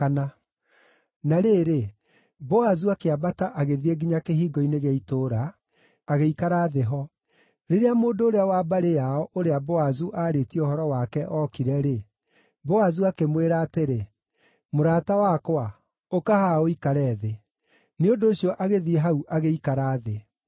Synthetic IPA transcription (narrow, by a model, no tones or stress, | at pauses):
ana | naɾeːɾe | bɔazuakeabataʔaɣeðieɡiɲakeɦiːɡɔineɣeitoɾaː | ɣeikaɾaːðeɦɔ | ɾeɾeamoːndoːɾeawaːbaɾejaɔʔoɾeabɔazuʔaːɾetiɔhɔɾɔwakɛʔɔkiɾɛɾe | bɔazuakemweɾaːteɾe | moɾaːtawakwa | okahaoikaɾɛðe | neondoːɕiɔʔaɣeðieɦauʔaɣeikaɾaːðe